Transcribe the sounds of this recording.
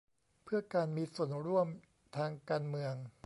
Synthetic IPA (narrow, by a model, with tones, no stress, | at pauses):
pʰɯ˥˩ɐkaː˧nmiː˧su˨˩ənɾu˥˩əm | t̪ʰaː˧ŋkaː˧nmɯ˧əŋ